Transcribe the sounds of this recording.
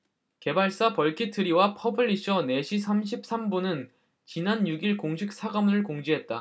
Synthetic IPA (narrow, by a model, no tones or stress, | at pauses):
ke̞baɭs͈apʌɭkʰitʰɯɾiwapʰʌbʰɯɭːiɕʰʌne̞ɕʰis̬ʰamɕ̬ʰip̚s͈ʰambunɯn | t͡ɕinanjuɡiɭkoŋɕʰik̚s͈ʰaɡamɾɯɭkoŋd͡ʑiɦe̞t̚t͈a̰